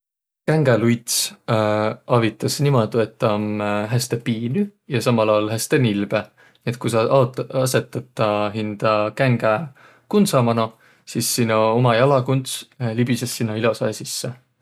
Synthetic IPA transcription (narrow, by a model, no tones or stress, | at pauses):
kæŋɡelujt̪s | ɑvit̪ːˑɑsnimod̪̥uet̪ːɑmɦæst̪epiːnyjɑsɑmɑlɑolɦæst̪enilb̥e | niet̪̚kusɑtɑse̞t̪ːˑɑt̪ːˑɑɦind̪̥ɑkæŋɡ̥æ | kunt̪sɑmɑnɑ | sisːinɑomɑjɑlɑkunt̪slibisesːinːɑilosɑjsisːe